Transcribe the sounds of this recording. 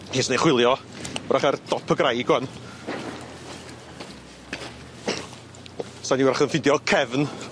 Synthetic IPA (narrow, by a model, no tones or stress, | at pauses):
hesneχwɪlˠjɔɾʔaχard̥ɔpʰəɡrajɡwɛn | saniwɾaχənfɪdjɔkʰɛvn